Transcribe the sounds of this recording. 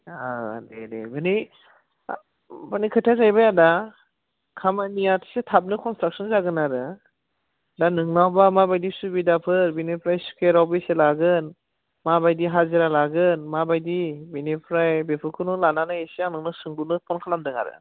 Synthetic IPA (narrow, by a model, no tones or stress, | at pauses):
a̰dedḛbɯni | bɯnikʰɯtʰazajbajada | kʰamanijatʰi̥setʰap̚nɯkʰɔnstɾak̚sɔnzaɡɯnaɾɯ | danɯŋnawbamabajdisubidapʰɯɾbinipʰɾajskʰeɾawbɯselaɡɯn | mabajdiɦaziɾalaɡɯnmabajdibinipʰɾajbepʰɯkʰɯnɯlananɯesianɯŋnɯsɯŋlunɯpʰɔnkʰalamdɯŋa̰ɾɯ̰